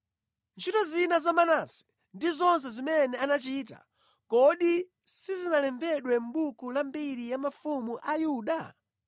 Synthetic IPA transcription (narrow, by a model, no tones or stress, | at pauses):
nt͡ʃʰitɔzinazamanasɛ̥ | ndizɔns̬ɛzimɛnɛanat͡ʃiːta̰ | kɔɗi | sizinalɛmbɛɗwɛm̩ɓukulambiɾijamafumuʔajuɗa